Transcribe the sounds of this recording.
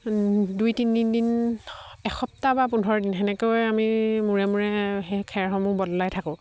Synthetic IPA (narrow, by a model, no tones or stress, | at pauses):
dujtindindin | ɛxɔp̚tabapundʱɔɹɔdinxɛnɛkojamimuɹɛmuɹɛekʰɛɹxɔmubɔdlajtʰakʊ̃